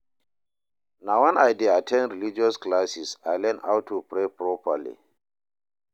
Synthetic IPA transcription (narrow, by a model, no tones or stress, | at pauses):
nawãnajdeatʰɛ̃nɹilid͡ʒiɔsklasisajlɛna̰wtʰːupɹepɹɔpəlḭ